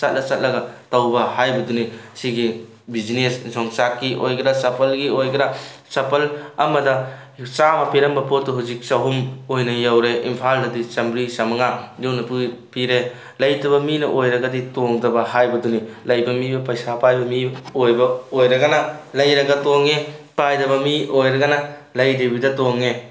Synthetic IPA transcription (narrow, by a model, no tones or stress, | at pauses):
sɐt̚lɐt͡ʃɐt̚lɐɡɐtɐwbɐhajbɐdunisiɡi | bid͡ʒinessɔŋsakːiʔojkɾasɐpʰɐlɡiojkɐɾasɐpʰɐlɐmɐdɐ | t͡ʃamɐpiɾɐmbɐpotːuɦuzik̚sɐɦumojnɐjawɾeʔimpʰaldɐdisɐmbɾisɐmɐŋajownɐpupiɾe | lɐjdɐβɐminɐ̰ʔojɾɐɡɐditoŋdɐbɐɦajbɐdunilɐjkunmibɐpɐjsapajbɐmiojbɐojɾɐɡɐnɐlɐjɾɐɡɐtoŋepajdɐβɐmiojɾɐɡɐnɐlɐjdibidɐtoŋe